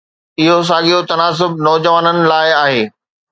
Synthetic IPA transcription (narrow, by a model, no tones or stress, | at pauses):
ɪɦos̬aːɠijot̪ɐnaːs̬ʊb̚nɔːd͡ʑəʋaːnənɪ̆laːɪaːɦeː